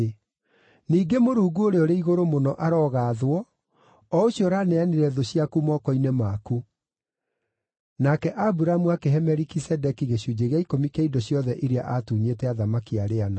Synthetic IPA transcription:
niːɡemoɾuːɡuoɾeɔɾeiɣoɾomonɔʔaɾɔɣaːðwɔ | ɔoɕiɔɾaːnɛaneɾɛðoɕiakumɔːkɔinemaku | nakɛʔabuɾamuakeɦɛmɛɾikisɛdɛkiɣeɕud͡ʑeɣjaikomikeidɔɕjɔðɛʔiɾea̰ʔatuɲetɛaðamakiaɾeana

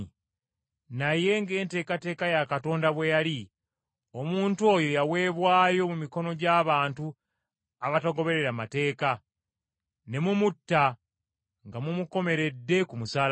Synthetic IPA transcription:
naje̞ŋɡe̞ːnte̞ːkate̞ːkajakato̞ːndaβwe̞jali | o̞muːntuo̞ːjo̞jawe̞ːβwaːjo̞mumiko̞no̞ɟaːβaːntu | aβataɡo̞βe̞ɾe̞ɾamate̞ːka | ne̞mumutːa | ŋɡamumuko̞me̞ɾe̞dːe̞kumusaːl

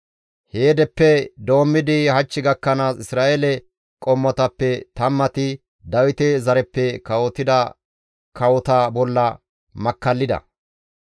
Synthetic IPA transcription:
heːd̪ɛpːɛd̪o̞ːmːɪd̪ɪhɐt͡ʃːɪɡɐkːɐnaːsɪsɾaːʔelɛ | kʼɔmːɔt̪ɐpːɛt̪ɐmːɐt̪ɪ | d̪ɐwɪt̪ɛzɐɾɛpːɛkɐwɔt̪ːɪd̪ɐ | kɐwɔt̪ɐbɔlːɐ | mɐkːɐlːɪd̪ɐ̰

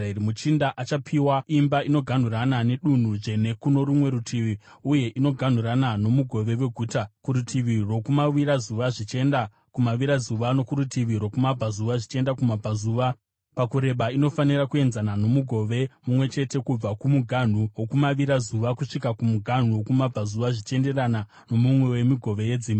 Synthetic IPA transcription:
iɾimut͡ʃindaʔat͡ʃapʰiwaimbaino̞ɡʱan̤uranane̞ɗun̤uʐe̞ne̞kuno̞ɾumwe̞ɾutʰiʋiuje̞ʔino̞ɡʱan̤uɾanano̞muɡʱo̞ʋe̞we̞ɡʱuːtakuɾutʰiʋiro̞kumaʋiɾazuʋaʐit͡ʃe̞nda | kumaʋiɾazuʋano̞kuɾutiʋiɾo̞kumabʱazuʋaʐit͡ʃe̞ndakumabʱazuːʋa | pakuɾe̞ɓaino̞fanirakue̞nzanano̞muɡʱo̞ʋe̞mumwe̞t͡ʃe̞te̞kub͡vakumuɡʱan̤uwo̞kumaʋiɾazuʋakuʂikakumuɡʱan̤uwo̞kumab͡vʱazuʋaʐit͡ʃe̞nde̞rana | no̞mumwe̞we̞miɡʱo̞ʋe̞je̞d͡ziːmbi

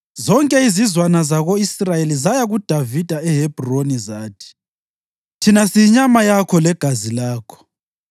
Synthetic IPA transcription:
zɔŋkʼɛizizwanazaɣoisrajelizajaɣud̥ʱavid̥ʱaɛɦeb̥ʱronizaːtʰi̥ | tʰinasiɲamajakʰɔlɛɡ̥ʱazilaːkʰɔ̥

